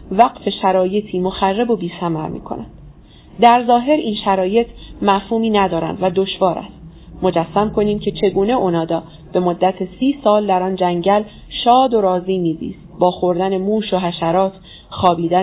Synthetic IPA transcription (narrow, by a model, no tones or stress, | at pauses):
væqfe̞ʃæɾɒːje̞t̪ʰiːmo̞xærːebo̞biːsæmæɾmḭːkʰo̞̰næ̰nd̪̥ | d̪æɾzɒːɦe̞ɾiːnʃæɾɒːje̞t̪ʰmæfhuːmiːnæd̪ɒːɾæ̰nd̪væd̪o̞ʃvɒːɾʔæ̰st̪ | mo̞d͡ʒæsːæmkʰo̞niːmcʰe̞t͡ʃʰe̞ɡuːne̞ʔonɒːd̪ɒː | b̥e̞mo̞d̪ːæt̪ʰesiːsɒːld̪æɾɒːnd͡ʒæŋɟæl | ʃɒːd̪o̞ɾɒːziːmiːzḭːst̪bɒːxo̞ɾd̪ænemuːʃo̞ɦæʃæɾɒːt̪ | xɒːbiːd̪æ